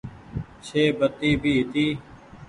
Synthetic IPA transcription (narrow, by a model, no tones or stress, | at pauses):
t͡ʃʰeːbət̪iːbʱiːɦɪt̪iː